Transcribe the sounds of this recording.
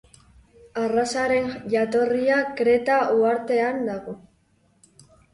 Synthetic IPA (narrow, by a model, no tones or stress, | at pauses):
arasaɾe̞nʝat̪o̞riakɾe̞t̪auaɾt̪e̞and̪aɣo